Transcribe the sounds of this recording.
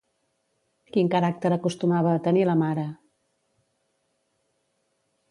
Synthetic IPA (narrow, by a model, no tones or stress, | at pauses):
kiŋkəɾak̚t̪əɾəkust̪umaβ̞əːt̪əniləmaɾə